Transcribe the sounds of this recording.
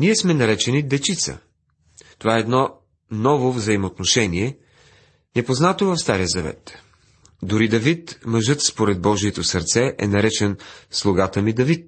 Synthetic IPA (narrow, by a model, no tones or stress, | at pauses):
niɛsmɛnɐɾɛt͡ʃɛnid̪ɛt͡ʃit̪sə̰ | t̪ovaɛːd̪nɔ | nɔvovzəimot̪noʃɛniɛ | nɛpoznat̪ovɐfst̪aɾijəzɐvɛ̰t̪ | d̪ʊɾid̪ɐvit̪mɐʒɤt̪spoɾɛd̪̚bɔʒiɛt̪osɐɾt̪sɛʔɛ̰nɐɾɛt͡ʃɛnslˠoɡat̪əmid̪ɐvit̪̚